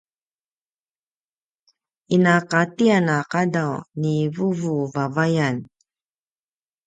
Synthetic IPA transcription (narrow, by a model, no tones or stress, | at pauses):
inakatianaqadawnivuvuvavajan